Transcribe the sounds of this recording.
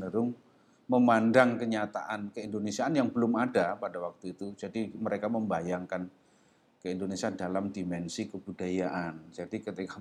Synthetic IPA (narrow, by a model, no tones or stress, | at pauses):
nəɾʊŋ | məmandaŋkəɲat̪a̰ʔankəindonesiaːnjaŋbəlʊmadapadawak̚t̪uit̪ud͡ʒadiməɾekaməmbajaŋkan | kəindonesiandalamdimɛnsikəbudajaʔand͡ʒadikət̪ika